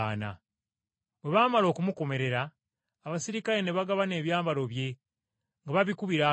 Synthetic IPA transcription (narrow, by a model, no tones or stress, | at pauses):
na̰ | βweβamalo̞ːkumuko̞me̞ɾe̞ɾaː | βasiɾikaɾe̞ne̞βaɡaβane̞ːβjaːmbaɾo̞βje̞ | ŋɡaβaβikuβiɾa